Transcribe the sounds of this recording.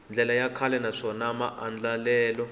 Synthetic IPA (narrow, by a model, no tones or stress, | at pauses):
nd͡ɮʱɛlajakʰalɛnaʂɔnamaʔand͡ɮalɛːlɔ